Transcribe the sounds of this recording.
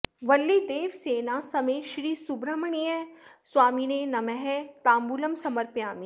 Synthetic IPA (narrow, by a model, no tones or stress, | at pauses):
ʋɐlːid̪eːʋseːnaːsɐmeʃɾiːsubɾɐmɐɳ̃iɛ̃swaːminenɐmɛɦɛ̃t̪aːmbulɐmsɐmɐɾpjaːmiː